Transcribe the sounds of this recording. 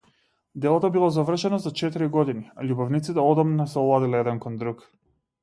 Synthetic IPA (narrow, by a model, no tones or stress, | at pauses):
d̪ɛlˠɔt̪ɔbilˠɔzavr̩ʃɛnɔsat͡ʃɛt̪iɾiɡɔd̪iniaʎubɔvnit̪sit̪ɛɔd̪ɔmnasɛɔlˠad̪ilɛɛd̪ɛnkɔnd̪ɾuk